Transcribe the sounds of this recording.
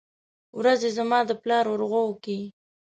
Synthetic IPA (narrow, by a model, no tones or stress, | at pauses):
wɾazezamɑd̪əplɑɾʊɾɣowəki